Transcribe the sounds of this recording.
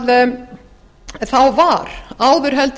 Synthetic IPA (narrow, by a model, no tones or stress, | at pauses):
ð | θawvaɾaːwðʏɾ̥ɦɛlt̪